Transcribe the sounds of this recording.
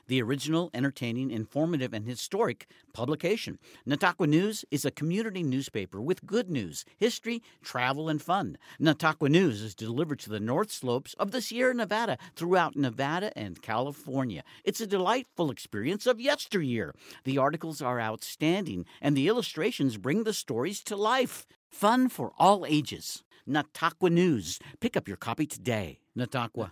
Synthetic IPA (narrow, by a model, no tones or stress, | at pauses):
ðiə˞ɪd͡ʒɨn̩l̩ˠɛ̃ɾ̃ə˞tʰẽɪ̃nɪ̃ŋɨ̃ɱfɔɹmɨɾɨvɨ̃nɨstɔɹɨk | pʰʌbləkʰeɪʃɨ̰̃nːɨtʰɑkwɨnʉzɨzɨkʰmjʉnɨɾinʉz̥peɪpə˞wɨðɡʊdⁿnʉ̰z̥hɪstɹ̥i | tʰɹ̥ævl̩ˠə̃nfʌ̃nːɨtʰɑkwənʉzɨzdɨlɪvə˞d̚tʰɨðɨnɔɹθsloʊpsʌvðɪsjɪɹɨnɨvæɾɨθɹuaʊtⁿnɨvæɾɨʔɨ̰̃nkʰæ̰lˠəfɔɹnjɨ̰ʔɨtsɨdɨlaɪtfl̩ˠɨkspɪɹiɨ̃nsʌvjɛstə˞jɪ̰ɹðiɑɹɾɨkl̩ˠzə˞a̰ʊtstæ̃ndɪ̰̃ŋʔɨ̃nðiɪlˠəstɹ̥eɪʃɨ̃nzbɹɪ̃ŋðɨstɔɹiz̥tʰəlaɪfː | ʌ̃nfə̰˞ʔɔlˠeɪd͡ʒɪ̰z̥ | nətʰɑkwənʉz̥pɪkʌpjə̰˞kʰɑpiɾʰɨdeɪ | nɨtʰɑkwə̰